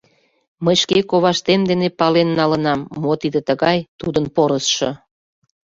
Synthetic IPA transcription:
məjʃkekoβɑʃt̪emd̪enepɑlenːɑlənɑmːot̪id̪et̪əɣɑjt̪ud̪ənpoɾəsʃɤ̆

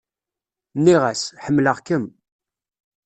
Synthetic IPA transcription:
nːiʁæsħəmːləʁkəm

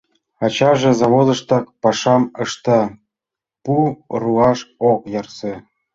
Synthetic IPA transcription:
ɑt͡ɕɑʒĕzɑβod̪ə̆ʃt̪ɑk̚pɑʃɑməʃt̪ɑ | puruɑʃokjɑrse

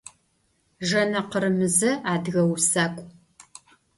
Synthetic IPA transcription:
ʒɐnɐqəɾɨmɨzɐaːdɣɐwsaːkʷʼ

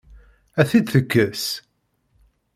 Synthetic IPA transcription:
æθid̪θəkːəs

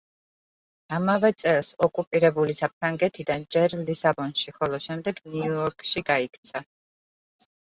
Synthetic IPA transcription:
amavɛt̪sʼɛlˠsɔkʼupʼiɾɛbulisap̚ʰɾaŋɡɛt̪ʰid̪and͡ʒɛɾlisabɔnʃiχɔlˠɔʃɛmd̪ɛɡniɔɾkʼʃiɡaikʰt̪sʰa

